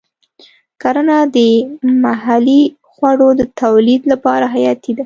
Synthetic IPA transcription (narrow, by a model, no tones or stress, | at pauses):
kaɾanad̪əmaɦali | xwaɽod̪ət̪awlid̪lapɑɾaɦajɑt̪id̪a